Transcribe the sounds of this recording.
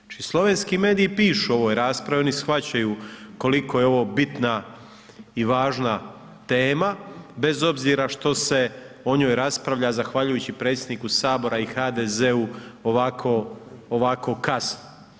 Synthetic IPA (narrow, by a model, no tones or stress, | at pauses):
t͡ʃislˠo̞ʋe̞nskime̞ːd̪iːpiːʃuo̞ʋojɾaːspɾaʋeonisxʋat͡ɕajuko̞likojeo̞ʋo̞ːbit̪na | iʋaːʒna | t̪e̞ːmabe̞zo̞bziɾaʃt̪o̞se̞o̞ɲo̞ːjɾaspɾaʋʎazaxʋaʎujuːt͡ɕipɾe̞ːt̪sʲjed̪nikusaːbo̞ɾaixad̪ezeuoʋakʰo̞ːʋako̞kasno